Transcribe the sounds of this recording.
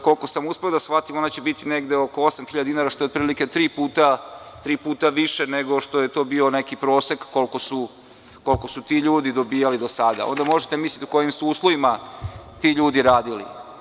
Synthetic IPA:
ko̞lko̞samuspe̞od̪asxfat̪imo̞nat͡ɕebit̪ine̞ɡd̪eo̞ko̞o̞samxiʎad̪inaɾaʃt̪oeot̪̚pɾiːlike̞t̪ɾiːpuːt̪at̪ɾiːpuːt̪aʋiʃeneɡo̞ʃt̪o̞jet̪o̞ːbio̞ne̞kipɾo̞ːsekːo̞lˠko̞su | ko̞lko̞sut̪iːʎuːd̪id̪o̞biːjalid̪o̞sad̪a̰ond̪amo̞ʒet̪emislʲʎʲit̪oko̞jimsuuːslˠoʋimat̪iːʎuːd̪iɾaːd̪ilḭ

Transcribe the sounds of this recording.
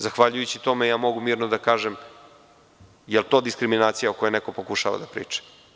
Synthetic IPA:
zaxʋaʎujut͡ɕit̪o̞mejaːmo̞ɡumiːɾnod̪akaːʒem | jelˠt̪o̞ːd̪iskɾiminaːt̪sijaokojeneko̞pokuʃa̰ʋa̰d̪apɾḭːt͡ʂe̥

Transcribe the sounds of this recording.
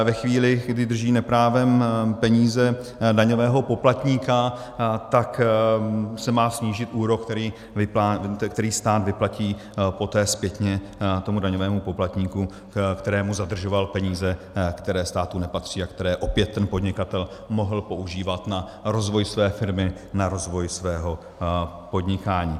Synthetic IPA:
vɛxviːlɪɡdɪd̪r̩ʒiːnɛpɾaːvɛmpɛɲiːzɛdaɲo̞vɛːɦo̞po̞plat̪ɲiːka | t̪ak | sɛmaːsɲiːʒɪt̪ʔuːɾo̞kt̪ɛɾiː | vɪpakt̪ɛɾiːst̪aːd̪vɪplaciː | po̞t̪ɛːspjɛt̪ɲɛ | t̪o̞mudaɲovɛːmupo̞plat̪ɲiːku | kt̪ɛɾɛːmuzad̪r̩ʒo̞valpɛɲiːzɛ | kt̪ɛɾɛːst̪aːt̪unɛpat̪r̝̥iːakt̪ɛɾɛːʔo̞pjɛt̪ːɛnpo̞d̪ɲɪkat̪ɛlmo̞ɦl̩po̞ʔuʒiːvat̪na | ɾo̞zvo̞jsvɛːfɪɾmɪ | naɾo̞zvo̞jsvɛːɦo̞ | po̞d̪ɲɪkaːɲiː

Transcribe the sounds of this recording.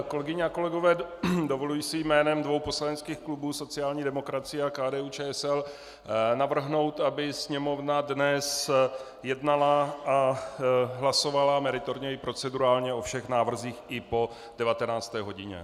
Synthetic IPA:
ko̞lɛɡɪɲɛako̞lɛɡo̞vɛːdovo̞lujisɪjmɛːnɛmdvo̞wpo̞slaɲɛnt͡skiːxklubuːso̞t͡sɪaːlɲiːdɛmo̞kɾat͡sɪjɛakaːdɛːuːt͡ʃɛːɛsɛl | navr̩ɦno̞wt̪abɪsɲɛmo̞vnadnɛs | jɛdnalaa | ɦlaso̞valamɛɾɪt̪o̞ɾɲɛɪpɾo̞t͡sɛduɾaːlɲɛʔo̞fʃɛxnaːvr̩ziːxʔɪpo̞ | d̥ɛvat̪ɛnaːt͡st̪ɛːɦo̞ɟɪɲɛ̰

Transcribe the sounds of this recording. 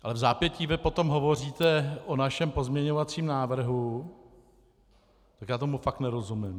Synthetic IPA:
ʔalɛvzaːpjɛciːvɪpo̞t̪o̞mɦo̞vo̞r̝iːt̪ɛʔonaʃɛmpo̞zmɲɛɲo̞vat͡siːmnaːvr̩ɦu | t̪akjaːt̪omufak̚t̪nɛɾo̞zumɪm

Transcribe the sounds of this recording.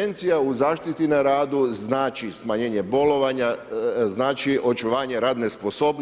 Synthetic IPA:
ent̪sijauzaːʃt̪it̪inaɾaːd̪uznaːt͡ʃismaɲe̞ːɲe̞bo̞lo̞ʋaɲaznaːt͡ʃiʔo̞t͡ʃuʋaːɲe̞ɾaːd̪ne̞spo̞so̞ːbn

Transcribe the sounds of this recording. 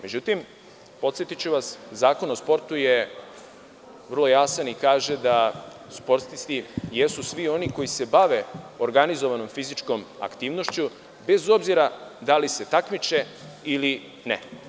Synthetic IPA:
me̞d͡ʑut̪im | po̞t̪sjet̪it͡ɕuʋaszaːko̞nospo̞ɾt̪uje | ʋər̩lˠo̞jaːsanikaːʒed̪a | spo̞ɾt̪t̪ist̪ijesusʋio̞niko̞jise̞baʋe̞oɾɡanizo̞ʋano̞mfizit͡ʃko̞ma̰kt̪iːʋno̞ʃt͡ɕu | be̞zo̞bziɾad̪alise̞t̪akmit͡ʃe | ili | nḛ

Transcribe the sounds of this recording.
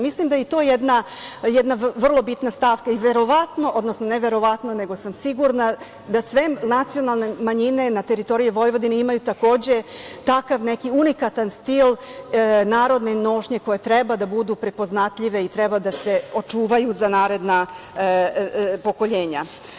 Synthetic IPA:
mislimd̪ajit̪o̞ːjed̪na | jɛd̪naʋr̩lˠo̞bit̪nast̪aːʋkaiʋe̞ɾo̞ʋat̪no̞ʔo̞d̪nosnone̞ʋe̞ɾo̞ʋat̪no̞ne̞ɡo̞samsiɡuɾna | d̪asʋe̞nat̪sijo̞nalˠne̞maɲine̞nat̪e̞ɾit̪o̞ɾijiʋo̞jʋo̞d̪ineimajut̪ako̞ːd͡ʑe̞t̪akaʋne̞kiunikat̪anst̪il | naːɾo̞d̪neno̞ʃɲe̞ko̞jet̪ɾe̞bad̪abud̪upɾe̞po̞znat̪ʎiʋe̞it̪ɾebad̪ase̞o̞t͡ʃuːʋajuzanaːɾe̞d̪na | po̞ko̞ʎe̞ːɲa

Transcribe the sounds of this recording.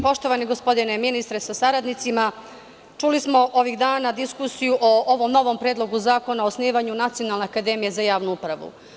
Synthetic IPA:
po̞ʃt̪o̞ʋaniɡospo̞d̪ine̞minist̪ɾesasaɾad̪nit̪sima | t͡ʃulismo̞ʔo̞ʋiɣd̪aːnad̪iskusijuʔoʔoʋomno̞ʋo̞mpɾeːd̪lˠo̞ɡuzaːko̞naosniːʋaɲunat̪sio̞nalneakad̪e̞mije̞zajaːʋnuupɾaʋṵ

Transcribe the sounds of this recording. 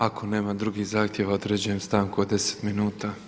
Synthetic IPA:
akʰo̞ne̞ːmad̪ɾuɡihzaːxt̪je̞ʋaod̪ɾe̞ːd͡ʑeɲemst̪aːŋkuod̪e̞se̥t̪minuːt̪a

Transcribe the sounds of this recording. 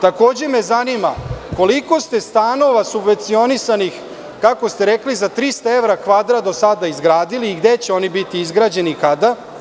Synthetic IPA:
t̪ako̞ːd͡ʑe̞me̞zanimako̞liko̞st̪e̞st̪aːno̞ʋasubʋe̞nt̪sio̞nisanix | kakost̪e̞ɾeklizat̪ɾist̪aevɾakʋad̪ɾad̪o̞sad̪aizɡɾaːd̪iliːɡd̪e̞t͡ɕeo̞nibit̪iizɡɾad͡ʑe̞nikad̪a

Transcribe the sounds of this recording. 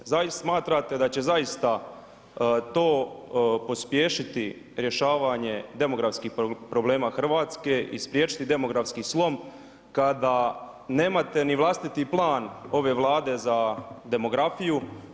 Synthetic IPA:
zasmaːt̪ɾat̪e̞d̪at͡ɕe̞zajist̪a | t̪o̞ːpo̞spje̞ːʃit̪i | ɾje̞ʃaːʋaɲe̞d̪e̞mo̞ɡɾafskixpɾo̞ble̞ːmaːxr̩ʋaːt̪ske̞ʔḭspɾjeːt͡ʃi̥t̪id̪e̞mo̞ɡɾafskislˠo̞m | kad̪aː | ne̞ːmat̪e̞niʋlˠast̪it̪iplˠaːno̞ʋe̞ːʋlˠaːd̪e̞zad̪e̞mo̞ɡɾafiju

